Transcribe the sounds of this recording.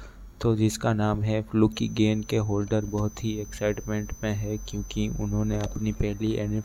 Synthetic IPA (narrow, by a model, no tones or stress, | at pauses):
t̪oːd͡ʒɪskanaːmɦɛflukiɡeːnkeɦoːlɖəɾbɔɦʊt̪ɦiɛksaɪʈmẽɳʈmẽɦɛkjõːkiʊ̰nɦõːneɐpnipɛɦliʔɛːnɪ